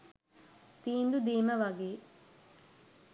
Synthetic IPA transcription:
t̪iːnd̪ud̪iːməʋaɡeː

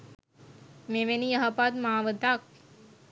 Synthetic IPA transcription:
meʋenijəɦɐpad̪maaʋəd̪ak̚

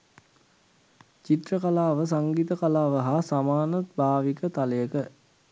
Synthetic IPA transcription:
t͡ʃit̪rəkalaːʋəs̬aŋɡit̪əkalaːʋəɦasamaːnɐt̪̚bʱaːʋikət̪aləjəkə

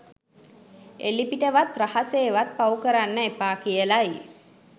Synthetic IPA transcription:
elipiʈəʋat̪rahaseːʋat̪̚paukəɾanːəepaːkijəlai

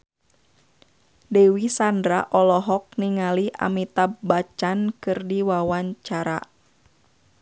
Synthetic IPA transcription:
dɛwisandɾaʔɔlɔɦɔk̚niŋaliʔa̰mit̪abat͡ʃankɨrdiwawaɲt͡ʃaɾa̰

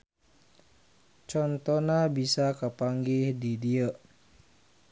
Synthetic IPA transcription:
t͡ʃɔnt̪ɔnabisakəpaŋɡɪhdidiə

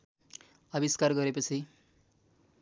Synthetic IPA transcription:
ʌbiskarɡʌɾepʌt͡sʰi

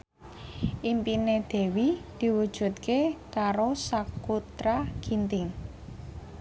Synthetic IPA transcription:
ʔimpined̪̥e̤wid̪̥i̤wud̥ʒ̥ṳt̪̚kekaɾosakut̪ɾaɡ̥int̪ɪŋ

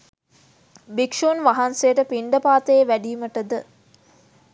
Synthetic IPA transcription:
bikʂoːnʋaɦansejəʈəpiɳɖəpaːt̪əjeʋæɖiːməʈəd̪ə

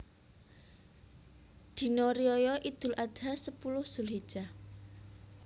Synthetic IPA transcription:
d̪̥i̤nɔɾiɔjɔʔid̪̥ʊ̤lʔad̪̥asəpulʊhsʊlɦid̥ʒ̥a

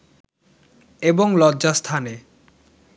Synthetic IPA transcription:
eboŋlɔdʑast̪ʰane

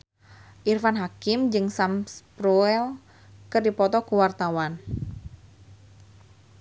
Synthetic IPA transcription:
ʔirfanɦakɪmd͡ʒɨŋsamspɾuɛl | kɨrdipɔt̪ɔkuwart̪awan

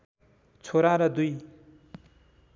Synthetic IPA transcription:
t͡sʰoɾãɾʌd̪uj

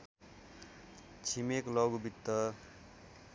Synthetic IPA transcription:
t͡sʰimeklʌɡubit̪ːʌ

